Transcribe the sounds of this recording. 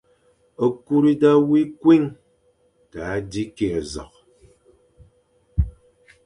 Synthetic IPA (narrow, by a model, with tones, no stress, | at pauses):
ə˨ku˦ɾi˦da˦wi˦kwi˦ŋ | ta˨˦di˦ke˨ə˨zɔ̰˨k̚